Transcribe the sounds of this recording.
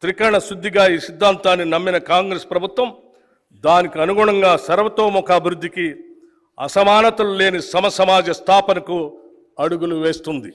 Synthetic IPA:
t̪ɾikɐɾɳɐsɾud̪ʱːiɡaːiːsid̪ʱːaːnt̪aːnːinɐmːinɐkaːŋɡɾespɾɐbʱut̪ʋɐm | d̪aːnikiɐnuɡuːɳɐŋɡaːsɐɾʋɐt̪o̞ːmɔkaːbʱiɾud̪ʱːiki | ɐ̰sɐmaːnɐt̪ɐlule̞ːnisɐmɐsɐmaːd͡ʒɐst̪ʰaːpɐnɐku | ɐɽuɡuluʋe̞ːst̪und̪i

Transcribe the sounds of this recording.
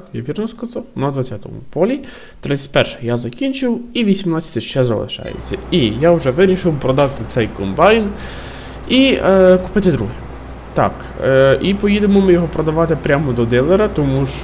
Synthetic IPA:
ja̰ʋʲirnɔskɐzawnɐd̪ʋɐt͡sʲːat̪ɔ̰mʊ̰pɔlʲi | t̪ɾɪt͡sʲɐ̥t̪ʲpɛrʃɪ̥jazɐkʲinʲt͡ʃɪwiʋʲisʲimnɑt͡sʲːɐ̥t̪ɪʃt͡ʃɛzɐ̰lˠɪ̰ʃɑ̰jḛt͡sʲːɐ̰ijaʊʒɛʋɪɾʲiʃɪwpɾɔd̪ɑt̪ɪt̪sɛjkɔmbɑjn | ikʊ̥pɪt̪ɪd̪ɾuɦi | t̪ɑ̰k | ipɔjid̪emɔmɪjɔɦɔpɾɔd̪ɐʋɑt̪ɪpɾʲamɔd̪ɔd̪ɪlˠeɾɐt̪ɔmuʃ

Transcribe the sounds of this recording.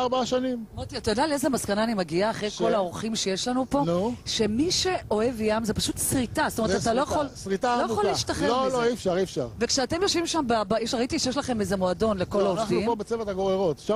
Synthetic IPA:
aʁbaaʃanimmat̪iatajodalezemaskanaːnimeɡiaːχʁejko̞laoʁχimʃejeʃlanupo̞nuʃe̞miʃe̞ʔo̞e̞vjamzepaʃut̪sʁitastomeet̪t̪alojaχolsʁit̪aojoliʃt̪aχeloloifʃaʁifʃa̰ʁvekʃeate̞mjo̞ʃvimʃambeabajeʃʁait̪iʃejeʃ̬laχe̞mezemoado̞nleko̞lonvaiupobet͡sevat̪aɡoʁeʁotʃa

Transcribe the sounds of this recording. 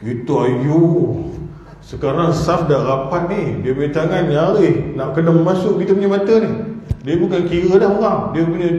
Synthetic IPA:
kit̪uaju | səkaɾaŋsafdaʔrapat̪̚nihdiəmet̪aŋanjaɾihnaʔkənamasʊʔkit̪əpuɲamat̪ənihdiəbukankiɣədahməɣaŋdiəpuɲə

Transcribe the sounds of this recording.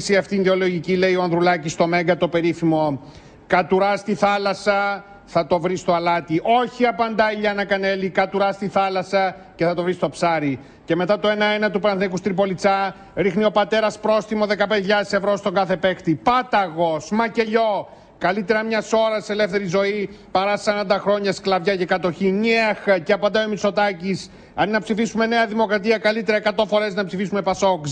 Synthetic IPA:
siɐft̪iind̪eo̞lo̞ʝicile̞io̞ɐnðɾulɐcist̪omeŋɡɐt̪o̞pe̞ɾifimo̞ | kɐt̪uɾɐst̪iθɐlɐsɐ | θɐt̪o̞vɾist̪o̞ɐlɐt̪iʔo̞çiɐpɐnd̪ɐiʎɐnɐkɐne̞likɐt̪uɾɐst̪iθɐlɐsɐ | ceθɐt̪o̞vɾist̪o̞psɐɾi | ce̞me̞t̪ɐt̪o̞enɐenɐt̪upɾɐnθnekust̪ɾipo̞lit͡sɐ | ɾixnio̞pɐt̪e̞ɾɐspɾo̞sθimo̞ðe̞kɐped̪eiʎaɐðese̞vɾo̞st̪o̞ŋɡɐθe̞pe̞kt̪ipɐt̪ɐɣosmɐce̞ʎo̞ | kɐlit̪e̞ɾɐmɲɐso̞ɾɐsse̞le̞fθe̞ɾizo̞ipɐɾɐssɐɾɐnd̪ɐxɾo̞ɲɐsklɐvʝɐcekɐt̪o̞çiɲiexceɐpɐnd̪ɐiomiso̞t̪ɐcis | ɐninɐpsifisume̞ne̞ɐðimo̞kɾɐt̪iɐkɐlit̪e̞ɾɐekɐt̪o̞fo̞ɾe̞znɐpsifisume̞pɐso̞k

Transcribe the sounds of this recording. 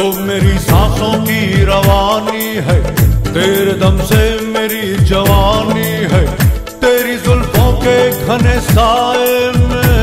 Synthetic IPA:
omeːɾisãːsõkiɾɐʋaːni | ɦɛt̪eːɾed̪ɐmsemeːɾid͡ʒɐʋaːniɦɛː | t̪eːɾizʊlbʰõkeɡʱɐnesaːem

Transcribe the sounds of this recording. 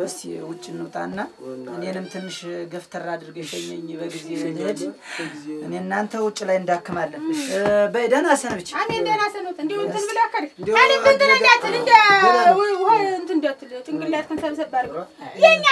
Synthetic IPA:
əst̪wʊt͡ʃʼːɪnːut̪ʼa̰nːaʔɨnenɨmt̪ʰɨnːɨʃɡəft̪ʰəɾad̪ɨɾɡeʃɛɲːɛɲːbəɡized̪ | ɨneɨnːant̪ʰəwʊt͡ʃʼːlajɨnd̪akːɨmalːəbəəd̪ənasənbɨt͡ʃːanend̪ənasənot̪ʰɨnd̪iwʊt̪ʰːɨbɨləwakːəɾd̪anɨt̪ʰɨnt̪ɨnəɲat̪ʰːɨnɨnd̪əwhoɨnt̪ʰɨnd̪ət̪ːɨlt͡ʃʼɨŋɡɨlːat̪̚kʰɨnsəβsəbːalːjɛɲːa

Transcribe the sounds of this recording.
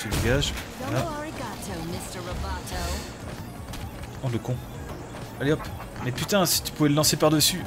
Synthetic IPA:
səviɡaʒ | oaəɹiɡɑtʰumɪstə˞ɹobɛtʰoʊ | ɔ̃ləkɔ̃ | aleɔp | mɛpyt̪ɛ̃si̥t̪y̥puvɛləlɑ̃sepaʁd̪əsy

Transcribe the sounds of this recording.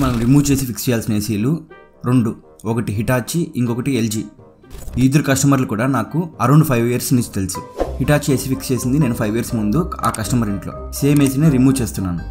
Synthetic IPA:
mɐnɐmɾimuːt͡ʃe̞ːs̬ipʰikst͡ʃɛjaːlsineːsiːlu | ɾoɳɖu | ɔkɐʈiɦiʈaːt͡ʃiʔiŋkɔkɐʈield͡ʒiː | iːd̪ɐɾukɐʂʈɐmɐɾlukuːɽaːnaːkuɐɾoɳɖupʰɐjʋijɐɾsniɲt͡ʃi̥t̪elisuhiʈaːt͡ʃt͡ʃe̞ːsipʰikst͡ʃe̞ːsind̪ine̞ːnupʰɐjʋijɐɾsmund̪ua̰ːkɐʂʈɐmɐɾiɳʈlo̞̰ːse̞ːme̞ːs̬ineːɾimuːt͡ʃe̞ːst̪unːaːnu

